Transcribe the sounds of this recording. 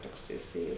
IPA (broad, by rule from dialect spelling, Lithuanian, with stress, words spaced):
ˈtoːks jɪˈsɐɪ